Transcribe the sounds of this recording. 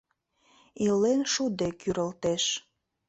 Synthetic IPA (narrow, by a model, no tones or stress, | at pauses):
ilːenʃud̪ekyɾəlt̪eʃ